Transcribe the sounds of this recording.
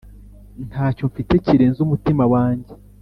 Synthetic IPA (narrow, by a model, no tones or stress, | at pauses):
n̥taːco̞ɱfite̞ciɾe̞ːnzumutimawaːɲɟe